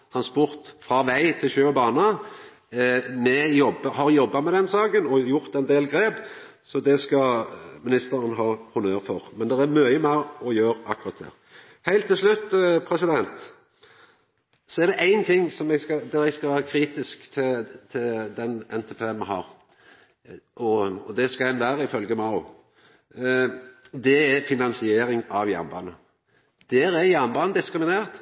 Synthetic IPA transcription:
t̪ʰɾɑnspɔɾt̪fʁɑʋæɪt̪ʰɪlçøːɔbɑːnə | mɛjɔbːəhɑɾjɔbːɑmɛd̪ɛnsɑːɡənɔjʊʁt̪ɛnd̪eːlɡɾeːb | sɔd̪ɛskɑmɪnɪst̪əɾənɦɑːhʊnøːɾfɔʁmɛnd̪ɛɾæɾmœːəmɛɔjøːɾɑkːʊʁɑt̪̚d̪ɛ̰ː | hæɪlt̪ːɪlslʉt̪ːpʰɾɛsɪd̪ɛnt̪ | sɔæɾd̪ɛʔæɪnt̪ʰɪŋːsɔmɛɡskɑd̪ɛɾɛɡskɑʋæːɾkʰɾiːt̪ɪskt̪ʰɪt̪ʰɪld̪ɛnɛnt̪ʰɛːpʰeːmɛhɑ̰ːɾ | ʔɔɔd̪ɛskɑɛnʋæːɾəɪfœlɡəmɑʊ | d̪ɛæfɪnɑnsɪeːɾɪŋɑʋjæ̰nbɑ̰ːnə | d̪̥æːɾæɾjænbɑːnəd̪ɪskɾɪmɪneːʁt̪

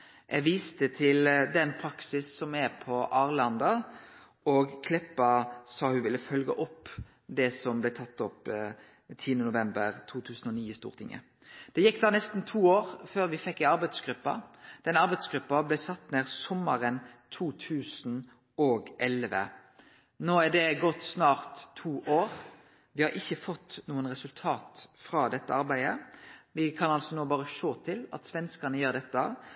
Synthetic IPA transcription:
ʔɛɡʋiːst̪ət̪ʰɪld̪ɛnpʰɾɑksɪsːɔmɛpʰɔʔɑːʁlɑnd̪ɑ | ɔɡkʰlɪpːɑsɑhʉʋɪlːəfœlɡə̰ʔɔpː | d̪ɛsɔmblɛt̪ʰɑt̪ːɔp | t̪ʰiːənənʊʋɛmbəʁt̪ʰuːt̪ʰʉːsən̩ɔniːəst̪ṵːʁt̪ʰɪŋːə̰ | d̪̥ɛjɛkːd̪ɑːnɛst̪n̩t̪ʰuːoːʁføːʁʋɪfɛkːɪɑʁbæɪd̪sɡʁʉpːɑ̰d̪̥ɛnəɑɾbæɪd̪sɡɾʉpːɑblɛsɑt̪ːneːʁsɔmːəʁənt̪ʰuːt̪ʰʉːsn̩ | ɔɡʔɛlʋə̰ | noːæɖ̪ɛɡɔt̪ːsnɑːʁt̪ʰːuːʔoːʁ | ʋɪhɑɾɪçːəfɔt̪ːnuːənʁɛsʉlt̪ʰɑːt̪fʁɑːd̪ɛt̪ːə̰ɑʁbæɪd̪əʋɪkʰɑnɑlsɔnoːbɑːʁəʃoːt̪ʰɪlɑ̰t̪sʋɛnskənəjøːʁd̪ɛt̪ːə

